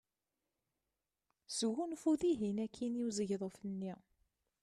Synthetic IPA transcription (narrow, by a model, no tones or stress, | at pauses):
sɣunfuðiɦinækʰːiniwzəʝðˤofənːi